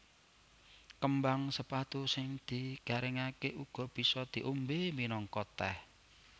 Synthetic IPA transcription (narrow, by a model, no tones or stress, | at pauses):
kəmbaŋsəpat̪usɪŋd̪̥iɡ̥a̤ɾɪŋakeʔuɡ̥ɔ̤b̥i̤sɔd̪̥i̤ʔumbeminɔŋkɔt̪ɛh